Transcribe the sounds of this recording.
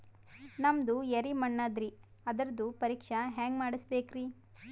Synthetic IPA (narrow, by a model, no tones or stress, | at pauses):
nɐmd̪ujɐɾimɐɳːɐd̪ɾi | ɐd̪ɐɾd̪upɐɾiːkʂɐɦaːŋɡmaːɽisbeːkɾiː